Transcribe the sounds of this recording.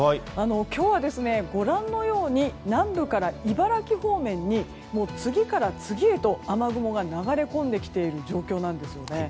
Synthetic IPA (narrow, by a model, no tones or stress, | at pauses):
ano̞kʲo̞ːβad̪e̞sɨne̞ɡo̞ɾãnːo̞jo̞ːɲ̟inãmbɯ̟kaɾaibaɾakʲiho̞ːmẽ̞ɲ̟ːi | mo̞ːt͡sɨɡʲikaɾat͡sɨɡʲie̞t̪o̞amaɡɯ̟mo̞ɡanaɡaɾe̞kõ̞nd̪e̞kʲi̥t̪e̞iɾɯ̟d͡ʑo̞ːkʲo̞ːnãnd̪e̞sɨjo̞ne̞